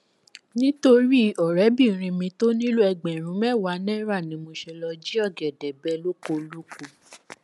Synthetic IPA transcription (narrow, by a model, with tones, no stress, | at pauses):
nĩ˦to˧ɾi˦˨ɔ˨ɾɛ˨˦bĩ˦˨ɾ̃ĩ˧mĩ˧to˦nĩ˦lu˦ɛ˧ɡ͡bɛ˨ɾ̃ũ˨˦mɛ˦˨wa˨˦nɛ̃˦ɾa˦˨nĩ˧˦mo˧ʃɛ˧lɔ˧d͡ʒi˦ɔ˦˨ɡɛ˨dɛ˨bɛ˧˦lo˦ko˧lu˦ko˧˨